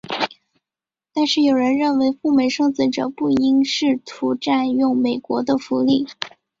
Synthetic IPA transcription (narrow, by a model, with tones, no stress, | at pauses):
t̪a˥˧nʂɻ̩˥˩jo˨˩ɻə˧˥nɻə˥˩nwe˧˥ɪfu˥˩me˨˩ɪʂɤ˥˧ŋt͡sɹ̩˥˩ʈ͡ʂɤ˨˩pu˥˩i˥ŋʂɻ̩˥˩t̪ʰu˧˥ʈ͡ʂa˥˧njʊ˥˩ŋme˨˩ɪkwɔ˧˥d̪ə˧fu˧˥li˥˩